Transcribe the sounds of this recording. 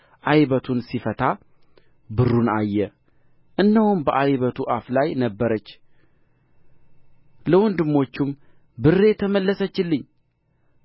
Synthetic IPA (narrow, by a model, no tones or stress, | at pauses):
ʔajβət̪ʰunsifət̪ʰa | bɨrːunajːɛ | ʔɨnːəwʊnbəʔajβət̪ʰuʔaflajnəbːəɾət͡ʃː | ləwɔnd̪ɨmːo̞t͡ʃːum | bɨrːe̞t̪ʰəməlːəsət͡ʃːɪlːɨɲː